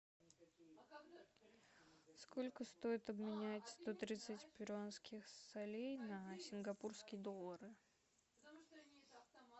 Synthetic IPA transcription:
sko̞lʲkəst̪o̞jɪt̪ɐbmʲɪnʲætʲst̪o̞t̪ɾʲit̪sɨtʲpʲɪɾʊanskʲɪxsɐlʲejnəsʲɪnɡɐpurskʲɪjəd̪o̞lˠːəɾɨ

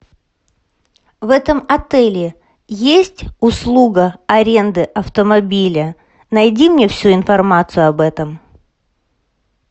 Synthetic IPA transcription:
vɛt̪əmɐt̪ɛlʲɪ | jesʲtʲʊslˠuɡəɐɾʲe̞nd̪ɨʔɐft̪əmɐbʲilʲə | nɐjdʲimnʲefsʲuɪnfɐrmat̪sɨjʊɐbɛt̪əm

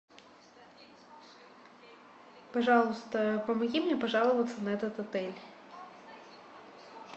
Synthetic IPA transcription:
pɐʐɑlˠʊst̪ɐpɐmɐɣʲimnʲɛpɐʐɑlˠʊvɐt̪sːɐnɐɛt̪ɐt̪ɐt̪ɛlʲ

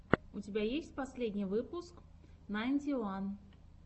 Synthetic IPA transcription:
ut͡sʲɪbʲajesʲtʲpasʲlʲedʲnʲivɨpusknɐɛnʲd̪ʲilan

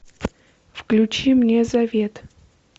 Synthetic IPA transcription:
fklʲʊt͡ɕimnʲezɐvʲet̪

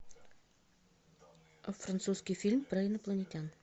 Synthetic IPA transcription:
fɾɐnt̪suskʲijfʲilʲmpɾaɪnəplˠənʲetʲan

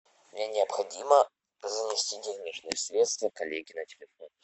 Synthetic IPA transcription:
mnʲanʲɪəpxɐdʲimə | zəmʲɪsʲtʲitʲɪvʲnʲiʂnɨjəsʲɾʲet̪st̪vəkɐlʲeɡʲɪnətʲɪlʲɪfo̞n

